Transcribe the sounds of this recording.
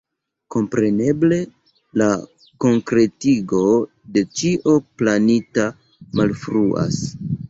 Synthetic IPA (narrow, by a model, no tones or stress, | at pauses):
ko̞mpɾe̞ne̞ble̞ | la | ko̞ŋkɾe̞tiɡo̞ | de̞t͡ʃiʔo̞planita | malfɾuʔa̰s